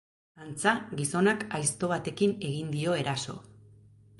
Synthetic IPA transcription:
ant͡saɡiso̞nakajst̪o̞β̞at̪e̞kine̞ɣind̪io̞e̞ɾaso̞̰

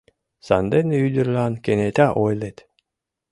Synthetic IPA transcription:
sa̰nd̪enyd̪yɾlankenet̪ʲaʔojlet̪

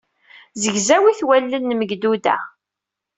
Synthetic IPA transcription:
zəʝzæwiθwælːənːməɡd̪ud̪æ̰

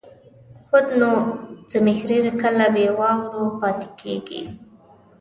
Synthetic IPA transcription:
xʊd̪not͡səmɪxɾeɾkəlabewɑŋɾopɑt̪ɪ̥kʰḛɡḭ

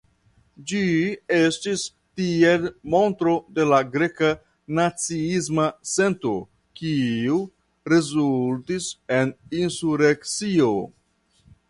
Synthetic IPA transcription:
d͡ʒie̞stis | tielmo̞ntɾo̞de̞laɡɾe̞ka | nat͡siizmase̞nto̞ | kiu | ɾe̞zultise̞ninsuɾekt͡sio̞

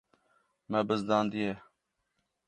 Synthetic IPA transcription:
mɛbəzd̪ãːnd̪ie

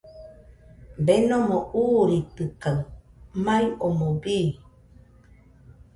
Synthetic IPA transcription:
benomouːɾit̪ɨkamajomoɡiː

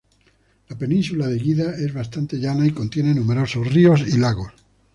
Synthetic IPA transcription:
lape̞nĩnsulaðeɣiðae̞zβast̪ant̪e̞ʝanaiko̞nt̪je̞nenume̞ɾo̞sosrio̞silaɣos

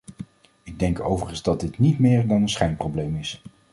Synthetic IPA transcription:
ɪɡ̚dɛŋko̰wvərənzdɑdɪtnitmɪːɹdɑnənsχɛjnprowblejmɪs

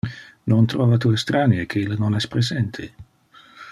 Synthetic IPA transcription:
nont̪ɾɔːvat̪uest̪ɾanjekʰeilənonɛspɾezɛnt̪ʰe

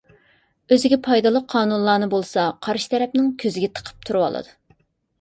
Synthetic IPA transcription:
øzɪɡʲɛpʰɑjd̪ɑlˠəqqʰːɑːnunlˠɑːnɨbolˠsɑqʰɑɾʃi̥t̪ʰɛɾɛpnɪŋkʲʰøzɪɡʲɛt̪ʰə̥qʰə̥p̚t̪ʰuɾɨwɑ̰lˠɨ̰d̪u

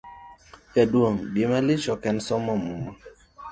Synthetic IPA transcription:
jaduoŋbimalɪt͡ʃɔkɛnsɔmɔmuma

